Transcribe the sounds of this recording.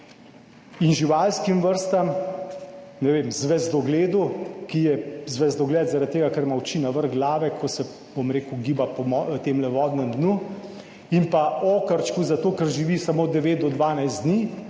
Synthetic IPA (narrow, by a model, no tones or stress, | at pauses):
inʒiʋalskimʋəɾst̪am | nɛʋeːmzʋɛzd̪ɔɡleːd̪ukijɛzʋɛzd̪ɔɡlɛːt̪zaɾat̪̚t̪ːeːɡakɛɾmawt͡ʃinaʋəɾɣɡlaːʋɛkʰɔsɛ | bomɾeːkuɡiːbapɔmɔt̪emlɛʋɔːd̪nəmd̪nu | impaoːkəɾt͡ʃkuzat̪oːkɛɾʒiʋisamoːd̪ɛʋeːt̪̚d̪ɔd̪ʋaːnajsd̪niː